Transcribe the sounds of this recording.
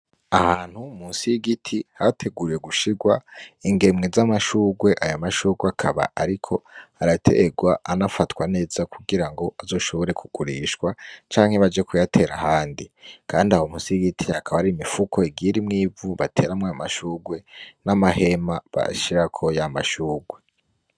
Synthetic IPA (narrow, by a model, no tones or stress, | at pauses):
ahaːn̥humunsiiɡitʰihatʰe̞ɡuɾije̞ɡuʃiɾɡwaiŋɡe̞mŋezamaʃuːɡwe̞ʔajomaʃuːɡweakʰaβa̰ʔaɾikʰo̞haɾatʰe̞̰ɡwaʔanafatkwane̞ːzakʰuɡiɾaŋɡo̞ʔazo̞ːʃo̞βo̞ɾe̞kʰuɡ̥uɾiːʃkwat͡ʃaːŋ̥he̞βad͡ʒe̞kujatʰe̞ɾahaːndikʰaːndiahomusiɡitʰihakʰaβaɾimifukʰo̞iɡiɾimŋiːvuβatʰe̞ːɾamŋaamaʃuːɡwe̞namahe̞maβa̰ʃiɾakʰojama̰ʃuːɡwe̞